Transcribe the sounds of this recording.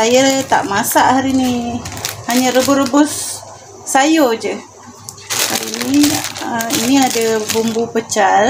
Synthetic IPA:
sajat̪a̰ʔmasaʔhaɾini | haɲəɾəbʊrəbʊsː | ajod͡ʒə | ha̰ɾiniəiniadabumbupət͡ʃal

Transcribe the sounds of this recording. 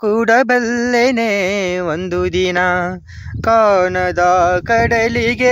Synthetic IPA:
kuːɽɐbelːeneʋond̪ud̪inɐ | kaːɳɐd̪ɐkɐɽɐliɡe

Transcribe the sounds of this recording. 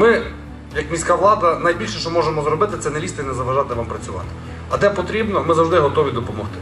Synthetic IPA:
mɪ | jɐkmʲisʲkaʋlˠɑd̪ɐnɐjbʲilʲʃɛʃt͡ʃɔmɔʒemɔzɾɔbɪt̪ɪt̪sɛnɐlʲist̪ɐinɛzɐʋɐʒɑt̪ɪʋampɾɐt͡sʲʊʋɑ̰t̪ɪ̥ | ɐd̪ɛpɔt̪ɾʲibnɔmɪzɐwʒd̪ɪɦɔt̪ɔʋʲid̪ɔpɔmɔxt̪ɪ̥

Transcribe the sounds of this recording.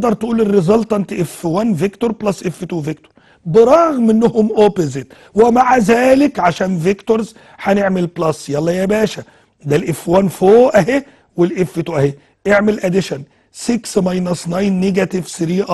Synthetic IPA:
d̪ɑɾˤt̪ʔuːlɪrːɪzɑlt̪ˤɑʔent̪ʔefːwænvekt̪oɾˤblɑsːʔefːet̪uvekt̪o̥ɾ | bɪɾˤɑɣmʔɪnːohʊmʔopozɪt̪ | wɪmaʕazæːlɪkʕaʃæːnvekt̪oɾz | ħæneʕmelblɑsjɑlˤːɑjæbæːʃæ | d̪ælʔɪfwænfoːʔæɦe | welʔefːet̪uʔæhe | ʔeʕmelʔæd̪ɪʃæn | sɪksmɑjnɑsnɑjnːeɡæt̪ɪvsɪɾiːʔɑ

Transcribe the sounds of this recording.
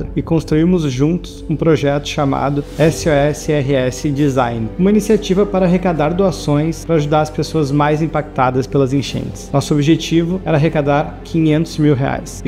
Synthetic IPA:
ɐɪkõst̪ɾuiɾmʊzʒũnt̪ʊ̥sũpɾoʒɛt̪ʊ̥ʃama̰d̪ʊɛsɪɔɛsɪɛɦɪɛsɪd͡ʒizãjnɪũmɐinisiat͡ʃivɐpaɾɐaɦekad̪aɾd̪uasõj̃spɾɐaʒud̪aɾɐspesoɐzmajzĩpak̚t̪ad̪ɐspelɐzẽʃḛ̃nt̪ɪ̥snɔsʊobiʒet͡ʃivʊɛɾɐaːɦekad̪aɾkʰĩɲẽnt̪ʊzmiwɦea̰js

